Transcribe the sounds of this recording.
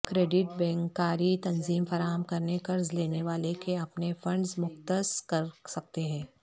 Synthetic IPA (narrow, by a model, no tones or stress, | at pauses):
kɾeːɖɪʈ̚bɛ̃ːŋkaːɾit̪ɐnziːmfɐɾaːɦəmkɐɾnekɐɾzleːneʋaːlekeɐpnefɐ̃ɳɖzmʊxt̪əskɐɾsɐk̚t̪eɦɛ̃ː